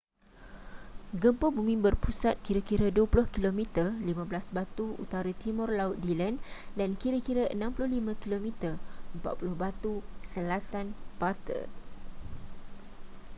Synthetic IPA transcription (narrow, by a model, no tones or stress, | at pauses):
ɡəmpobumĩbərpusat̪̚kiɾakiɾəduəpulʊhkilomĩt̪ərlimãblasbat̪uṵt̪aɾat̪imɔrlaʊt̪̚dilandankiɾakiɾəənãmpulʊhlimãkilomĩt̪ərəmpa̰t̪̚pulʊhbat̪usəlat̪anpat̪ə̰